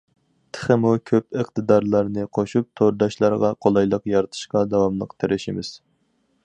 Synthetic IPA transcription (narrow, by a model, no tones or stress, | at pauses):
t̪ʰə̥χəmukʲʰøpəqt̪ɨd̪ɑɾlˠɑɾnɨqʰoʃup̚t̪ʰoɾd̪ɑʃlˠɑɾʁɑqʰolˠɑjlˠəqjɑɾɨt̪ʰɨ̥ʃqɑd̪ɑwɑmlˠəqt̪ʰeɾʔɪʃɪmɪz̥